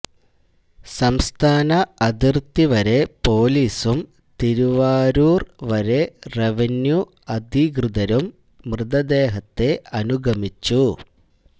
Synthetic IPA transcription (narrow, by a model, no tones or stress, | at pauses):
sɐmst̪ʰaːnɐɐd̪irt̪iʋɐɾe̞po̞ːliːsum | t̪iɾuʋaːɾuːrʋɐɾe̞reʋɐnju | ɐd̪ʱiɡrɨd̪ɐɾumː | rɨd̪ɐd̪e̞ːɦɐt̪ːe̞ɐnuɡʱɐmit͡ɕːu